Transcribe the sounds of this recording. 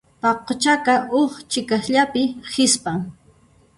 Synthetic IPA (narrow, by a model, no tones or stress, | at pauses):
pɑqot͡ʃakaoχt͡ʃɪkasʎapɪhɪspaŋ